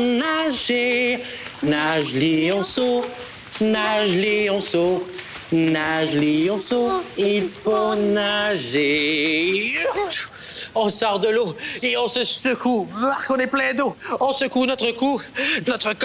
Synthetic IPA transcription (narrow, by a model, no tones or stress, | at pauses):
naʒe | naʒliɔ̃so | naʒliɔ̃sɔ | naʒliɔ̃soilfonaʒe | ɔ̃sɔʁd̪əloeɔ̃səsəkʰuvaʁkɔ̃nɛplɛ̃d̪oɔ̃səkunɔt̪χəkunɔt̪χək